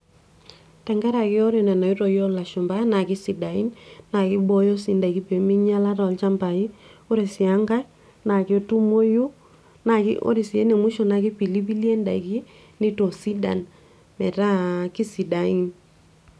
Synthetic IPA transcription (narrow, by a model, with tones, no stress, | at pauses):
tɛ˨ŋɡɛ˦ɾa˨kɪ˦ɔ˦ɾe˨nɛ˨na˨i˦ɾɔ˨jɔ˦la˨ʃʊ˨mba˦na˨kɪ˦si˨da˨ḭ˦nːa˨kɪ˦bɔ˦jo˦si˨nda˨ki˦pe˨mɪ˦ɲa˦la˦ɾɔ˨lt͡ʃa˦mba˨i˦o˦ɾe˨sɪ˨a˦ŋɡa˦ | na˨kɪ˨o˦tu˦mo˦ju˦ | na˨kɪ̰ʔo̰˦ɾi˨sɪ˨ḛ˦ne˨mu˦ʃo˨na˨kɪ˦pi˨li˦p̬i˦lje˦nda˨i˨ki˦ | nɪ˦to˨si˦da̰˨n | mɛ˨ta˦ki˦si˨da˨i˦n